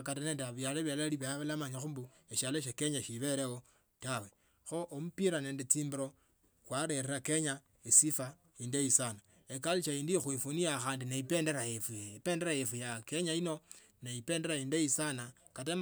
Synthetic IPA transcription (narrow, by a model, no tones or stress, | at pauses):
katene̞ːndeaβjaleβjalliβaβalamaɲaxumbu | eʃaloʃ̬ake̞ɲaʃiβe̞ɾewo | tawe | xo̞ʔomupiɾane̞ːndet͡siːmbiɾo | kwaɾereɾakeɲa | esifa | indeisana | ekaliʃaiːndixwifoniaxaːndineipe̞ːndeɾajefuipe̞ːndeɾajefujakeɲaino | neipe̞ːnde̞ɾaindeisana | kat̬em